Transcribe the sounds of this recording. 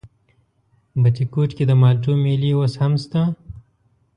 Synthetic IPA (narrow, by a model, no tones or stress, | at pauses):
bɐt͡ʃikuːʈkid̪əmaːlʈumeːliwoshɐmst̪a